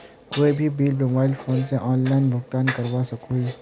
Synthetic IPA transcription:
koːibʱibiːlmobaːɪlfʰoːnseʔɔ̃ːnlaːɪnbʱʊɡt̪aːnkɐɾwasɐkui

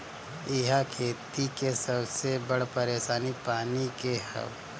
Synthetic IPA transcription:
ɪɦakʰeːt̪ikesɐbsebɐɽpɐɾeːʃaːnipaːnikehɐ̰ʋ

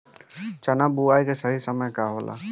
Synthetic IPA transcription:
t͡ʃɐnabuaːjkesəɦisəməjkaɦoːlʔa̰ː

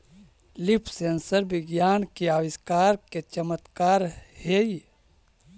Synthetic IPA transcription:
lipʰsensəɾbɪɡjaːnkiaːʋɪskaːɾket͡ʃəmət̪kaːɾhei

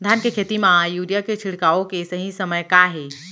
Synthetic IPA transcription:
d̪ʱankekʰet̪imãjuɾijaket͡ʃʰiɽkaokesəɦĩsəməjkaɦe

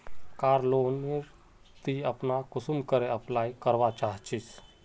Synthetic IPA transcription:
kaːɾloːnːiɾ | t̪iəpnakʊsumkəɾeɐplaːjkəɾʋat͡ʃaːɦt͡ʃis

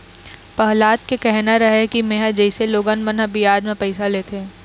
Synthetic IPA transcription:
pɐɦlaːt̪̚kekɛɦnaɾɐɦekimeɦəd͡ʒɛɪseloːɡənmənɦəbijaːd͡ʒ̪mẽpɛɪsaleːt̪ʰeː

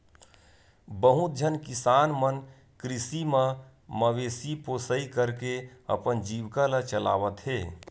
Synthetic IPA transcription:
bəɦut̪̚d͡ʒʱənkɪsaːnmən | kɾɪsimə̃ | məʋeːsiposəikəɾkeə̰pənd͡ʒiːʋkalət͡ʃəla̰ːʋət̪ɦeː

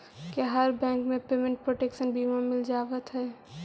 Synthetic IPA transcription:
kiɦəɾbɛ̃ːŋkmẽpeːmẽɳʈ̚pɾoːʈeːkʃənbʱimamɪld͡ʒaːʋət̪ɦɛː

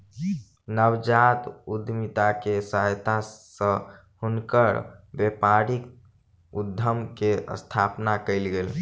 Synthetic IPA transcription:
nəwd͡ʒat̪ud̪ʱmit̪akesajt̪asə̃ | hunkəɾbepaɾik | ud̪ʱːəmkeə̰st̪ʰapnakəɪlɡel

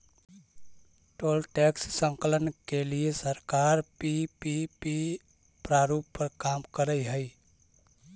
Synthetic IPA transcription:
ʈoːlʈɛkssə̃ŋkələnkeliesəɾkaɾpipipi | pɾaɾuppəɾkamkəɾəjɦəi

